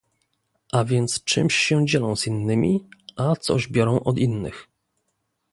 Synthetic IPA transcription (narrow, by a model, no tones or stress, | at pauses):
ʔavʲjɛnt̪st͡ʂɘ̰mɕːɛd͡ʑɛlɔ̃w̃z̥inːɘmʲḭʔat̪sɔ̰ʑbʲjɔɾɔ̃w̃ʔɔd̪inːɘ̰x